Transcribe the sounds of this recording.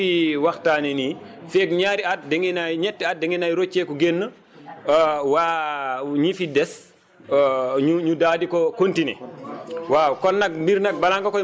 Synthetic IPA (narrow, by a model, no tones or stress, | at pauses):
iwaxtaːneni | fɛk̚ɲaɾiat̚dɛŋinajɲɛtːɛat̚dɛŋinajɾot͡ʃːɛkɔɡenːə | waːɲifidɛs | ɲuɲudaːdikɔkontinɛ̰ | waːkɔnːɐk̚mbiɾnɐk̚balaŋkakɔ